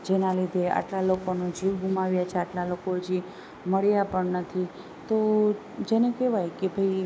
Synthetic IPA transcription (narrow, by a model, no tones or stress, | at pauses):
d͡ʒenalid̪ʱea̰ʈlalokonud͡ʒiʋɡʱumaʋjat͡ʃʰeaʈlalokod͡ʒi | məɭjapəɳnət̪ʰi | t̪o | d͡ʒenekeʋajkebʱəj